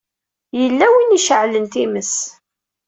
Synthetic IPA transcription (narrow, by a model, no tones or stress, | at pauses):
jəlːæwiniʃəʕlənt̪iməs